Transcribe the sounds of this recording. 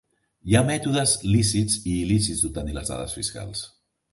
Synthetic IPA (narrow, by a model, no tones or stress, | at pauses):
jamɛt̪uð̞əzlisiziːlisidzd̪ut̪əniləzða̰ðə̰sfiska̰lˠs